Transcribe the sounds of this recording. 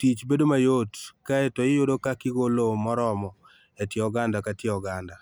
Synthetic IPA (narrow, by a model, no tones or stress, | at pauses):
tit͡ʃbedomajotkaetɔjɪjodokakɪɡolomɔɾɔmɔ | etjeɔɡandakatjeɔɡanda